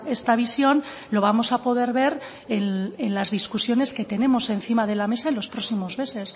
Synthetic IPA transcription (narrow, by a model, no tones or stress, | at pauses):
e̞st̪aβ̞isjo̞n | lo̞β̞amo̞sapo̞ð̞e̞ɾβe̞ɾ | enenlazðiskusjo̞ne̞ske̞t̪e̞ne̞mo̞se̞nθimað̞e̞lame̞saenlo̞spɾo̞ksimo̞zme̞se̞s